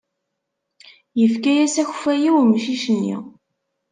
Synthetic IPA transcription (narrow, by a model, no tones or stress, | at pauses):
jəfkæjæsæç̥fæjiwmʃiʃənːḭ